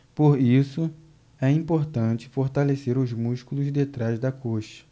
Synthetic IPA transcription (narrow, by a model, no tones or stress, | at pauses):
poɾisʊ | ɛĩpoɾt̪ɐ̃t͡ʃɪ̥foɾt̪aleseɾʊzmuʃkulʊzd̪et̪ɾazd̪ɐkʰoʃɐ̥